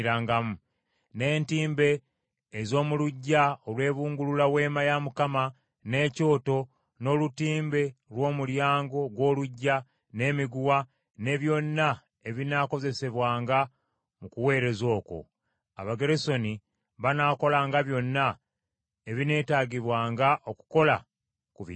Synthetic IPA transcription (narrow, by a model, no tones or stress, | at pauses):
ɾaːŋɡamu | ne̞ːntiːmbe̞ː | zo̞ːmuluɟːaolwe̞ːβuːŋɡululawe̞ːmajamukama | ne̞co̞ːto̞ | no̞ːlutiːmbe̞lwo̞ːmuljaːŋɡo̞ɡwo̞ːluɟːa | ne̞ːmiɡuwa | ne̞βjo̞nːa | e̞βinaːko̞ze̞se̞βwaːŋɡa | mukuwe̞ːɾe̞zo̞ːko̞̰ | aβaɡe̞ɾeso̞ni | βanaːko̞laːŋɡaβjo̞nːa | eβine̞ːtaɡiβwaːŋɡaʔo̞ku̥ko̞la̰ | kuβḭ